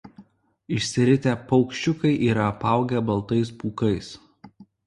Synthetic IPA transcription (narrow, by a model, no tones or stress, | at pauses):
ɪʃʲsʲɪɾʲɪt̪ʲæːpɒʊkʃʲt͡ʃʲʊkɐɪʔiːɾɐɐpɑˑʊɡʲɛbɐlˠt̪ɐɪspuːkɐɪs